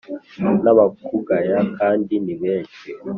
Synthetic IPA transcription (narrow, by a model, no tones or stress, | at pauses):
naβakuɡajakʰandiniβɛːt͡ʃwɛ